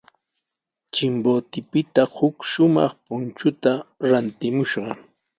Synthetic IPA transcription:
t͡ʃɪmboːt̪ɪpɪt̪ahʊkʃʊmɑ̰χpʊnt͡ʃʊt̪aɾant̪ɪmʊʃɢɑ

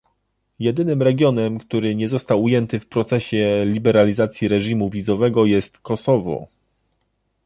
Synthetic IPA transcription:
jɛd̪ɘnɘmɾɛɡʲjɔnɛmkt̪uɾɘɲɛzɔst̪awujɛnt̪ɘfpɾɔt̪sɛɕɛlʲibɛɾalʲizat̪sʲjiɾɛʐimuvʲizɔvɛɡɔjɛst̪kɔsɔvɔ̰

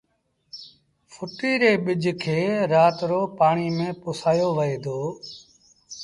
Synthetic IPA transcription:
fʰʊʈiːɾeːɓɪd͡ʒʱkʰeːɾaːt̪ɾoːpaːɳiːmẽːpʊsaːjoːʋəeːd̪ʱoː

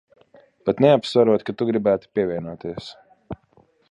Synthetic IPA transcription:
pat̪neapsvaɾuɔt̪̚kat̪uɡɾibæːt̪u̥piɛvʲiɛnuɔt̪iɛs

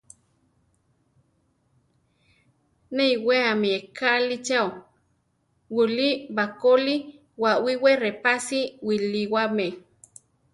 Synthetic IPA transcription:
neiweamiekalit͡ʃao | wulibakoli | wawiwerepasiwiliwame

